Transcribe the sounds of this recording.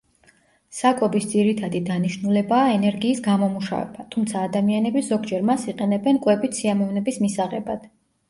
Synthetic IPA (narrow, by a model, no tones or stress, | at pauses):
sakʼɔbisd̪ziɾit̪ʰad̪id̪aniʃnulɛbaːɛnɛɾɡiːsɡamɔmuʃa̰vɛ̰bat̪ʰumt̪sʰaːd̪amianɛbizɔɡd͡ʒɛɾmasiqʼɛnɛbɛnkʼwɛbit̪siamɔvnɛbismisaʁɛbad̪̥